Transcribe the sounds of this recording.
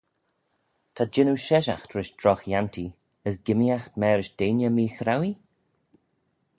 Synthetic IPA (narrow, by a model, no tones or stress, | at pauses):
tʰad͡ʒɪnuʃɛʃa̰xtʰɾɪʃdɾɔxjantʰi | əs̬ɡɪmiaxtmɛːɾɪʃd̥eːnjəmiːxɾawi